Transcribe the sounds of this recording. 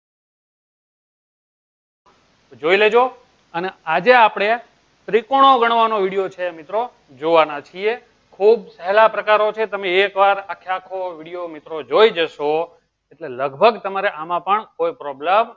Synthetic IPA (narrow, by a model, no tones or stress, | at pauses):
d͡ʒoiled͡ʒo | ənead͡ʒeapɽ̃e | t̪ɾikoɽ̃oɡəɳʋanoʋiɽijot͡ʃʰemit̪ɾo | d͡ʒoʋanat͡ʃʰie | kʰubsɛɦlapɾəkaɾot͡ʃʰet̪əmeːkʋaɾakʰːjakʰoʋiɽijomit̪ɾod͡ʒoid͡ʒəʃo | eʈleləɡbʱəɡt̪əmaɾeʔamãpəɳkojpɾɔblem